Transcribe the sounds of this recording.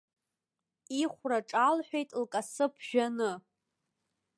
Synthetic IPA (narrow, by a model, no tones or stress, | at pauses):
iχʷraʈ͡ʂʼalħᶣʷejtʼlkʼasɨpʰʒᶣanɨ